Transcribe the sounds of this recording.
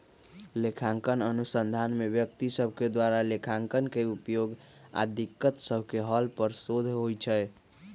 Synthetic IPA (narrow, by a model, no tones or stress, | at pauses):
lekʰaŋkənənusənd̪ʱanmebjək̚t̪isəbʱked̪waɾalekʰaŋkənkeupjoɡ | a̰d̪ikːət̪səbʱkeɦəlpəɾsod̪ʱɦojt͡ʃʰɛj